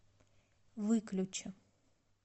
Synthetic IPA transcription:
vɨklʲʊt͡ɕə

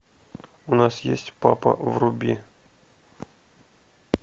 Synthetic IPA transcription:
unɑsjesʲtʲpɑ̰pə̰vrubʲi

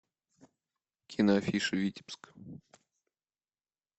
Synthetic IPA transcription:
kʲʰinɐɐfʲiʂɨvʲitʲɪ̥psk

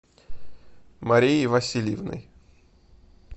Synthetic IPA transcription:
mɐɾʲijɪvɐsʲilʲjɪvnə̰j

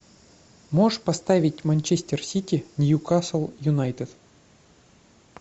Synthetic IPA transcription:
moʂpɐst̪avʲɪtʲmɐnʲt͡ɕesʲtʲɪrsʲitʲɪnʲɪjʊkasəlˠjʊnajt̪ɨt̪

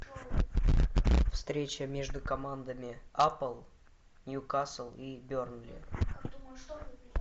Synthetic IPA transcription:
fst̪ɾʲet͡ɕəmʲe̞ʐd̪ʊkɐmand̪əmʲɪapəlˠ | nʲjukasəlˠibʲornlʲɪ̰

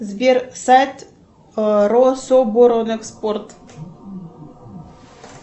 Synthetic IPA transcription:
zvʲersat̪ʲ | rosoboɾoneksport̪

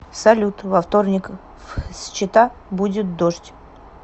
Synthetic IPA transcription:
sɐlʲut̪vɐft̪o̞rnʲɪk | st͡ɕɪt̪abudʲɪt̪̚d̪oʂtʲ

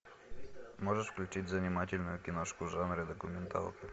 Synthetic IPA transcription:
mɔʐəʂfklʲʊt͡ʃitʲzənʲɪmatʲɪlʲnʊjʊkʲɪnoʂkʊʐanɾɪd̪əkʊmʲɪnt̪a̰lˠkə

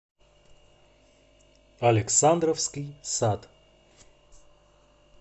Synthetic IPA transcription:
alʲɛksand̪ɾɔfskisat̪

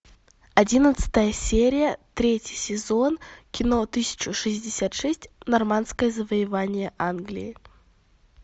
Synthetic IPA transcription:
ɐdʲinət̪sɨ̥t̪əjəsʲeɾʲɪjət̪ɾʲetʲɪjsʲɪzo̞nkʲɪno̞t̪ɨsʲɪ̥t͡ɕʊʂɨzʲdʲɪsʲat̪ʂɛsʲtʲnɐrmanskəjəzəvəjɪvanʲɪjəʔanɡlʲɪjɪ

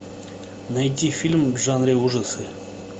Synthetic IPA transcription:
najt̪̬ʲifʲilʲmʐɑnɾʲeuʐəsɨ

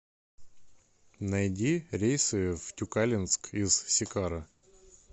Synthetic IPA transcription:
nɐjdʲiɾʲejsɨvtʲʊkalʲɪnskiz̥sʲɪkaɾə

